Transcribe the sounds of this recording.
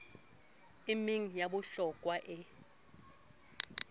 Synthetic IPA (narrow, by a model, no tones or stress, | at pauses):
imiŋ̩jaɓʊɬɔkʼwaʔɪ